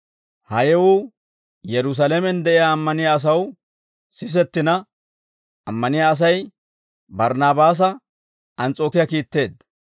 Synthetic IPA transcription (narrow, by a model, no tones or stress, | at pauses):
hɐjɛwuː | jɛɾʊs̬alemɛnd̪ɛʔɪjaːmːɐnɪjaɐs̬ɐw | sɪs̬ɛt̪ːɪnɐ | ʔɐmːɐnɪjaːs̬ɐj | bɐɾnaːbaːs̬ɐ | ʔɐnt͡sʼo̞ːkɪjɐkiːt̪ːe̞ːd̪